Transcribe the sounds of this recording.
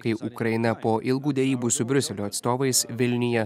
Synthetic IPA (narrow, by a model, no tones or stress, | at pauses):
kɐɪʔukɾɐɪnɐpoːʔɪlˠɡuːd̪ʲɛɾʲiːbuːsʊbʲɾʲʊsʲɛlʲoːɐt̪st̪oːʋɐɪsʋʲɪlʲnʲɪjɛ